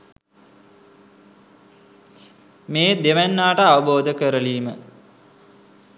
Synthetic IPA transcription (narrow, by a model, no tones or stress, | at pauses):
meːd̪eʋænːaːʈəaʋəboːd̪əkəɾəliːmə